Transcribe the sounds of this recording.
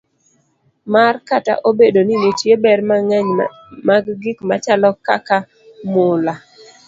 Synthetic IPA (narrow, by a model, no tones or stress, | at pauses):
markata̰ʔobedoninitjebɛrmɲ | maɡɡɪkmat͡ʃalɔkaka | mʊla